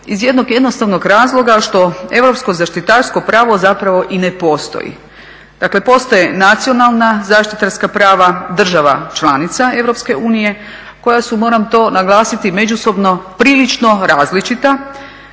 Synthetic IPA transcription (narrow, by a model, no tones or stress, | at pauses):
izje̞d̪no̞ɡje̞d̪no̞st̪aʋnoɡɾaːzlˠo̞ɡaʃt̪o̞e̞ʋɾo̞psko̞zaʃt̪it̪aːɾsko̞pɾaːʋo̞zapɾaʋo̞ʔine̞po̞st̪o̰jḭ | d̪̥akle̞po̞st̪ojenat̪sio̞nalˠnazaːʃt̪it̪aɾskapɾaːʋad̪r̩ʒaʋa̰t͡ʃlˠaːnit̪sae̞ʋɾo̞pske̞ʔuːnije̞ | ko̞jasumo̞ːɾamt̪o̞ːnaɡlˠaːsit̪ime̞d͡ʑuso̞bno̞pɾiːlit͡ʃno̞ɾaːzlit͡ʃit̪a